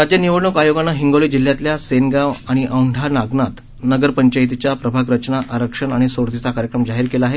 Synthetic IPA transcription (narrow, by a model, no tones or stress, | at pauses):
ɾad͡ʑjəniʋəɽɳukajoɡanːaɦiŋɡoliːd͡ʑil̤ːjat̪ljasenɡaʋaɽ̃iʔəwɳɖʱanaɡnat̪ | nəɡəɾpəɲt͡ɕajt̪̬it͡ɕjapɾəbʱakɾət͡ɕnaʔaɾəkʂəɳaɽ̃isoɽt̪it͡sakaɾjəkɾəmd͡zaɦiːɾkelaaɦe